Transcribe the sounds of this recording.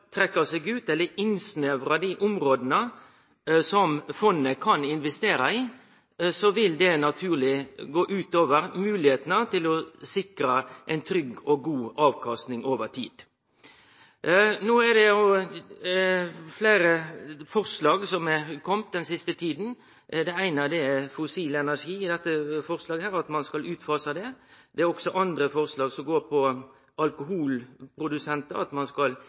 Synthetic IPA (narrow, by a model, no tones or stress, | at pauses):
t̪ʰɾɛkːəsɛɡʉːt̪ɛlːəɪnsnøːʋɾɑd̪iʔʊmɾoːd̪ənə | sɔmfɔnːəkʰɑnɪnʋɛst̪eːɾɑiː | sɔʋɪld̪ɛnɑt̪ʰʉːʁlɪɡoːʔʉːt̪oːʋəɾmʉːlɪheːt̪ənət̪ɪlɔsɪkɾəʔɛɪnt̪ʰɾʏɡɔɡuːɑːʋkʰɑst̪nɪŋoːʋəʁt̪ʰḭːd̪̥ | noːɛdɛoː | fleːɾəfɔʁslɑːɡsɔmɛkʰɔmt̪̚d̪ɛnsɪst̪ət̪ʰiːd̪n̩ | d̪ɛæɪnəd̪ɛfʊsiːlɛnæʂiːɪd̪ɛt̪ːəfɔʁslɑːɡəhæːɾɑt̪mɑnskɑlʉːt̪fɑːsɑd̪ɛd̪̥ɛæɾɔɡsɔʔɑnd̪ɾəfɔʁslɑːɡsɔmɡoːɾpʰɔ | ɑlkʊɦuːlpʰɾʊd̪ʉsɛnt̪əɑt̪mɑnskɑl